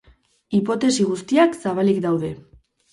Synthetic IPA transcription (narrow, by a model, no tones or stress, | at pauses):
ipo̞t̪e̞siɣ̞ust̪iaksaβ̞alikd̪awðe̞